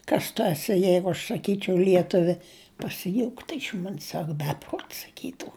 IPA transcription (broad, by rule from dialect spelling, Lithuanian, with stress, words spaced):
ˈkɐs tʊ ɐˈsʲɪ ˈjɛɪɡʊ ɐʃ sɐˈkʲiːt͡ʃʲɛʊ ˈlʲiɛtʊʋʲɪ pɐsʲɪˈjuːktʊ ɪʃ ˈmoːnʲsʲ ˈsɐk ˈbʲæːpruɔtʲ sɐˈkʲiːtʊ